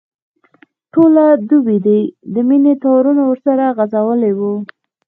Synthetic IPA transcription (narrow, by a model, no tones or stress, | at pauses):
ʈolad̪ubid̪ijd̪əminet̪awɾunawəɾsaɾaɣazawəlewu